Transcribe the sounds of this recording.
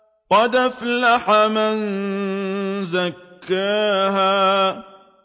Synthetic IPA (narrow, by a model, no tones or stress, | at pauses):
qɑd̪aflaħaman | zakːaːɦaː